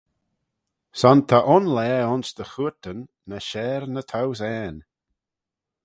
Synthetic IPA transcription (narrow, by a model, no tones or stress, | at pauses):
sɔnt̪ʰaʔʊnlɛːʊnsd̪əxuɹt̪ənː | əʃɛːɾnət̪ʰawsɛːn